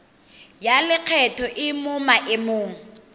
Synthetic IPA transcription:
jalɪq͡χʰɛtʰɔʔɪmʊmaʔɪmoːŋ̩

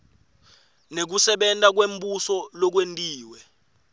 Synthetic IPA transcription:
nek̬usɛɓɛntʼak̬wembʼusɔlɔk̬wentʼiːwɛ

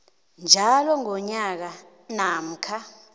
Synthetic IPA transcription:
nd͡ʒʱalɔŋɔɲak̬a | nam̩kʰa

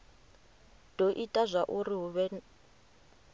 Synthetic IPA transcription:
d̥oʔitʼazʷaʔuriɦuβɛ

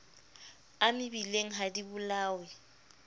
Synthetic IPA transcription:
amɪbileŋ̩ɦadibʊlaːwɛ

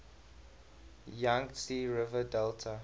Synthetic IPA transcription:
jãŋɡsiːɹɪvədɛltʰə

